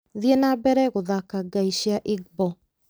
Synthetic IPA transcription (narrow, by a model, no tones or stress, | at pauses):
ðienabɛɾɛɣoðakaɡaiʃiaʔiɡ̚bɔ